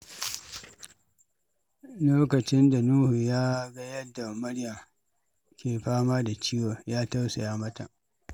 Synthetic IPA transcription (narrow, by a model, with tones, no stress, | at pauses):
loː˦kɐ˨t͡ʃɪ˦nda˨nuː˦hu˨jaː˦ɡa˦jɐ˦dːa˨mʊ˦ɽjɐ˨m | kʲeː˨ɸaː˦maː˦da˨t͡ʃiː˦wo˨jaː˦ta˦wsa˨jaː˦mɐ˦ta̰˨ʔ